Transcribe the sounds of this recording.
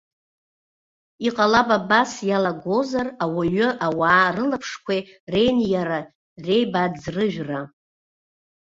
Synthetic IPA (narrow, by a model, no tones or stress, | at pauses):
iqʼalababasjalaɡʷo̞zarawaɥʊʔawaːrɨlapʰʂkʷʰere̞jnjaɾa | re̞jbad͡zrɨʒᶣra